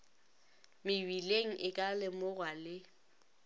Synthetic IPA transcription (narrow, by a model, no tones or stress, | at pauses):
mɪbileŋ̩ʔɪkʼalɪmʊɣwalɪ